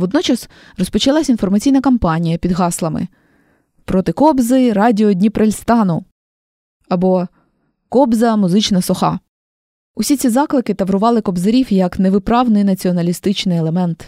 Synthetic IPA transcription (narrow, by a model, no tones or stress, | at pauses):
ʋɔd̪nɔt͡ʃɐs | rɔspɔt͡ʃɐlˠasʲinfɔrmɐt͡sʲijnɐkɐmpɑnʲijɐpʲid̪ɦɑslˠɐmɪ̰ | pɾɔt̪ɪkɔbzɪɾɑdʲiɔdʲnʲipɾelʲst̪ɑnʊ | ɐbɔ | kɔbzɐmʊzɪt͡ʃnɐsɔxɑ̰ | ʊsʲit͡sʲizɑklˠɪkɪt̪ɐʋɾʊʋɑlˠɪkɔbzeɾʲiwjɐkneʋɪpɾɑʋnɪjnɐt͡sʲiɔnɐlʲist̪ɪt͡ʃnɪjɛlˠemɛnt̪